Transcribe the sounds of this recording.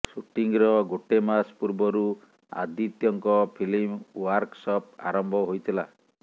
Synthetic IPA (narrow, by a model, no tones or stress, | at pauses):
suʈiŋɾɔɡoʈemaspuɾbɔɾu | a̰d̪it̪jɔŋkɔpʰilimwaɾksɔp̚a̰ɾɔmbʱɔɦojt̪ʰila